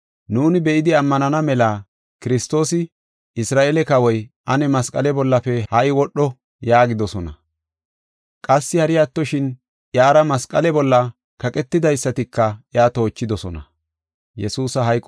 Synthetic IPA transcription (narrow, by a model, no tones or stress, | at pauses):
nuːnɪbɛʔɪd̪ɪɐmːɐnɐnɐmɛlaː | kɪɾɪst̪o̞ːsɪ | ɪsɾaːʔeːlɛkɐwɔjʔɐnɛmɐskʼɐlɛbɔlːɐfɛhɐʔɪwɔɗːɔ | jaːɡɪd̪ɔsɔnɐ | kʼɐsːɪhɐɾɪjaːt̪ːɔʃɪn | ʔjaːɾɐmɐskʼɐlɛbɔlːɐ | kɐkʼɛt̪ːɪd̪ɐjsːɐt̪ɪkːɐʔjaːt̪o̞ːt͡ʃːɪd̪ɔsɔnɐ̰ | jɛsuːsɐɦɐjkʼ